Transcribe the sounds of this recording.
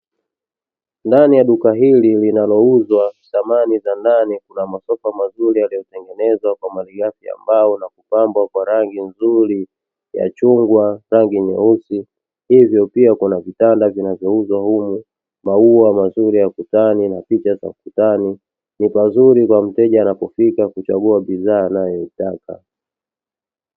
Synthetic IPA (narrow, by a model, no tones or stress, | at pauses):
ndanijaɗukaɦililinalɔuzwasamanizandanikunamasɔfamazuɾijalijɔtɛŋɡɛnɛzwakwamaliɡafia̰mbaɔnakupambwakwaɾaŋɡinzuɾi | ja̰t͡ʃuŋɡwaɾaŋɡiɲɛusi | hivjɔpiakunavitandavinavjɔuzwahumu | mauamazuɾijakutaninapit͡ʃaza̰kutani | nipazuɾikwam̩tɛʄaːnapɔfikakut͡ʃaɡuaɓizaːnajɔitakʰa̰